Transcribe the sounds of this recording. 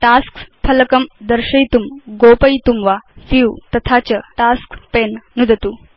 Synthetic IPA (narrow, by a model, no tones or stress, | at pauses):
ʈaskpʰɐləkəmd̪əɾɕɐjt̪umɡopəjt̪umʋafiwt̪ɐt̪ʰat͡ɕəʈaskpennud̪ʱət̪u